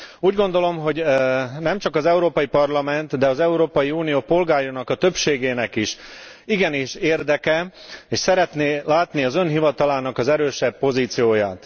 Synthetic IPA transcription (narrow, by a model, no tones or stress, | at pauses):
uːɟɡo̞n̪d̪o̞lo̞mɦo̞ɟnɛmt͡ʃɒkɒzɛuɾoːpɒjipɒrlɒmɛnt̪d̪ɛɒzɛuɾoːpɒjiuːnijoːpo̞lɡaːjonɒkɒt̪ø̞pʃeːɡeːnɛkiʃ | iɡɛniʃeːrd̪ɛkɛeːʃsɛɾɛt̪neːlaːt̪niɒzø̞nɦivɒt̪ɒlaːnɒkɒzɛɾøːʃɛbːo̞ziːt̪sijoːjaːt̪